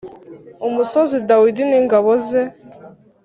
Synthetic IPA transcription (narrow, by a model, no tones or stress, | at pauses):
umusozidawidiniːŋɡaβozɛ